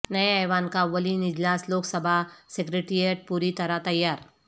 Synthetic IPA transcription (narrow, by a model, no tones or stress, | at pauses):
nɐeaːʋaːnkaʋɐlinɪd͡ʒlaːsloːksɐbʱasekɾeːʈɾieʈ̚puːɾit̪ɐɾat̪ɐjːaːɾ